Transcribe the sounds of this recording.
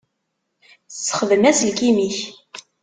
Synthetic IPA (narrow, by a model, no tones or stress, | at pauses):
t͡sːə̥χəðəmæsəlkimiç